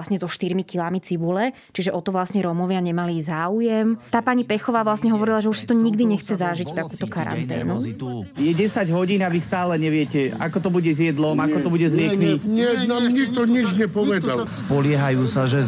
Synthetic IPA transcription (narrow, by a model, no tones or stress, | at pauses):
sɲɛzɔʃt̪iɾmikilamit͡sibulɛ | t͡ʃiʒɛʔɔt̪ɔʋlasɲɛɾɔmɔʋɪaɲɛmalizaːujɛmt̪aːpaːɲipɛxɔʋaːʋlasɲɛɦɔʋɔɾilaʒɛuʃsḁt̪ɔɲiɡd̪iɲɛxt͡sɛzaʒict̪akuːt̪ɔkaɾa̰nt̪ɛ̰ːnujɛɟɛsaɟɦɔɟiːnaʋist̪aːlɛɲɛʋɪɛcɛa̰kɔt̪ɔbuɟɛzjɛd̪lɔmakɔt̪ɔbuɟɛzɾɪɛkmiɲɛnaːmɲik̚t̪ɔɲid͡ʒɲɛpɔʋɛd̪alspɔlɪɛɦajuːsaʒɛ